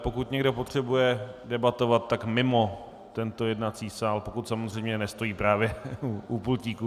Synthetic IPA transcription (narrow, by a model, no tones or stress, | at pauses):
po̞kut̪ɲɛɡdo̞pot̪r̝̥ɛbujɛdɛbat̪o̞vat̪ːakmɪmo̞ | t̪ɛnt̪o̞jɛdnat͡siːsaːlpo̞kut̪samozr̝ɛjmɲɛnɛst̪o̞jiːpɾaːvjɛuupulciːku